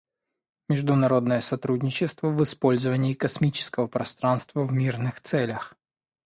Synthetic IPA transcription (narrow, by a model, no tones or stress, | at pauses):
mʲɪʐd̪ʊnɐɾo̞d̪nəjəsɐt̪ɾudʲnʲɪt͡ɕɪst̪vəvɨspo̞lʲzəvənʲɪːkɐsmʲit͡ɕɪ̥skəvəpɾɐst̪ɾanst̪vəvmʲirnɨxt̪sɛlʲəx